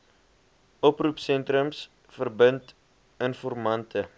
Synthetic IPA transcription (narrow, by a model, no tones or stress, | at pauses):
ʔɔprupsɛntrəms | fərbənt | ənfɔrmɐntʰə